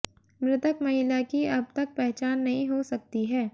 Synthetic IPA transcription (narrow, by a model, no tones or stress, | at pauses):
mɾɪt̪əkmɐɦɪlakiɐb̚t̪ɐk̚pɛɦt͡ʃaːnːɐɦĩɦosɐk̚t̪iɦɛː